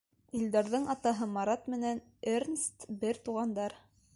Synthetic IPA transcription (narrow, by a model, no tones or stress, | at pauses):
ild̪æɾðɤɴʔɑt̪ɑɦɤmɑɾɑt̪mɘ̆næn | ernst̪bɘɾt̪uʁɑnd̪ɑɾ